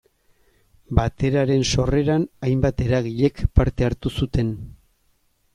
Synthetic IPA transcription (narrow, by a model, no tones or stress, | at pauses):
bat̪e̞ɾaɾe̞nso̞re̞ɾanajmbat̪e̞ɾaɣiʎe̞kpaɾt̪e̞aɾt̪usut̪e̞n